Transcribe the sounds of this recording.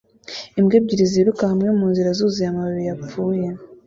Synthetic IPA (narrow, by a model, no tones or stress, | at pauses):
imɡeːb̚ɟiɾiziɾukahamŋemuːnziɾazuːzijamaβiβijapp͡fuːje